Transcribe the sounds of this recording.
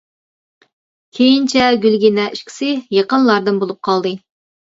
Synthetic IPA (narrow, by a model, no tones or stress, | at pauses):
kʲʰejint͡ʃʰɛɡʲylɡʲinɛiʃkʲʰi̥sɪjeqənlˠɑɾd̪ɨnbolˠup̚qʰɑlˠd̪ɨ